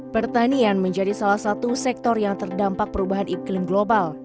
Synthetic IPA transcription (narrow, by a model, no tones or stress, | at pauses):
b̥ərt̪anianməɲd͡ʒadisalahsat̪usɛk̚t̪ɔrjaŋt̪ərdampak̚pəɾubaɦaniklɪmɡlobal